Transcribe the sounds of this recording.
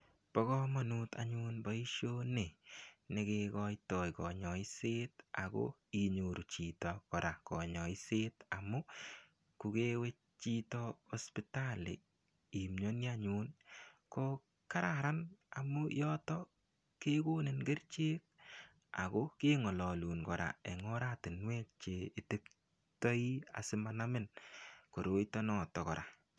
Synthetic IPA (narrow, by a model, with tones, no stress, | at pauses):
b̥ɔ˦kɔma˨nu˦ta̰ɲu˦nba˦i˦ʃo˦ne˨nɪ˦kekɔ˧jtɔ˨jkɔ˨ɲɔ˨ɪ˦se˦ta̰˨ko̰ | i˨ɲu˨ɾu˨t͡ʃi˨tɔ˨kɔ˨ɾa˨kɔ̰˨ɲɔ˨ɪ˦se˦ta˨mʊ˦ | ku˨ke˦we˦ | t͡ʃi˦tɔɔ˦spita˦lɪ̰˨ | i˨mɲo˦njaɲu˦nkɔ | ka˦ɾaɾana˨mujɔtɔ | ke˦ko˦nɪ˨nɡe˦rt͡ʃe˦k̚ | a̰˨koke˦ŋɔ˨lɔ˨luː˨nkɔ˨ɾa̰˨e˨ŋɔ˦ɾa˦tɪ˨nwɛ˦k̚t͡ʃei˨te˦p | tɔ˦ia̰˨sɪ˦manamɪ˦nko˨ɾo˦itɔ˦nɔ˨tɔ˨kɔ̰ɾa̰˨